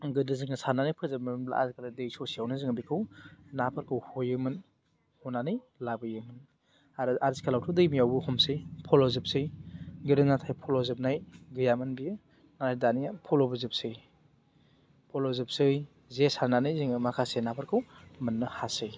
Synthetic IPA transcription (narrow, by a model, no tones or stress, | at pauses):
ɡɯdɯzɯŋɐsananɯjpʰɯzɯp̚mla̰zkʰaladejsosiawnɯzɯŋadikʰɯwnapʰaɾkʰɯwhojɯmɯn | honanɯj | labɯjɯmɯn | aɾɯʔazikʰalawtʰodɯjmijawbuhɔmsɯjpʰolozɯp̚sɯjɡɯɾɯnatʰajpʰolozɯp̚najɡɯjamɯnbijɯ | nanajdanijapʰolobɯzɯp̚sɯj | pʰolozɯp̚sɯj | zesaɾnanɯjziŋɯmakʰasenapʰaɾkʰɯwmɯnːɯhasɯj